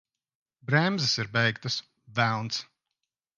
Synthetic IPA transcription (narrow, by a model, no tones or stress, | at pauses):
bɾɛmzɨsiɾbɛjkt̪ɐs | væwnt̪s